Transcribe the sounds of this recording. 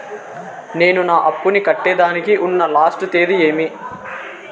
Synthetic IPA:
ne̞ːnunaːʔɐpːunikɐʈːɛːd̪aːnikiʔunːɐlaːsʈut̪eːd̪ie̞ːmi

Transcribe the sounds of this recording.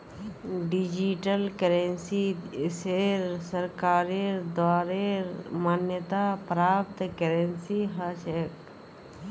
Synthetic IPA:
ɖid͡ʒiʈəlkəɾensiseɾsəɾkaːɾed̪waːɾeɾmaːnjət̪apɾaːp̚t̪ʰkeɾensiɦəsek

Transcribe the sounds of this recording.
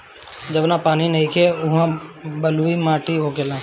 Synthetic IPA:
d͡ʒəbnapaːninəɦĩkʰeʊɦãbəluimaːʈiɦokelãː

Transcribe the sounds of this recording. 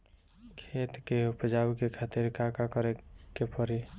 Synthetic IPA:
kʰeːt̪keʊpəd͡ʒawkekʰaːt̪ɪɾkakakəɾekepəɾi

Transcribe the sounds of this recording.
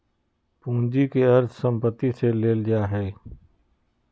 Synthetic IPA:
pũːnd͡ʒikeəɾt̪ʰsə̃mpət̪ːiseleːld͡ʒaːɦɛː

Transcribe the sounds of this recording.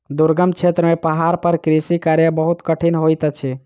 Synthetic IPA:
d̪uɾɡəmt͡ʃʰet̪ɾəmepəɦaɾpəɾkɾisikaɾjəbəɦut̪kəʈʰinɦojt̪ət͡ʃʰi

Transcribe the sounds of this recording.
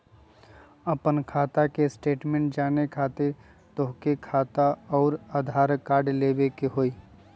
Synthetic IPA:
əpənkʰaːt̪akesʈeːʈmẽːɳʈd͡ʒaːnekʰaːt̪ɪɾ | t̪oɦkekʰaːt̪aɔːɾaːd̪ʱaːɾkaːɾɖleːbekeɦoːiː

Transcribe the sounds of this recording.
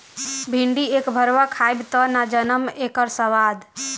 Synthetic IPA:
bʱiɳɖieːkbʱəɾʋakʰaːjbt̪ɔnad͡ʒənəmekəɾsəʋaːd̪

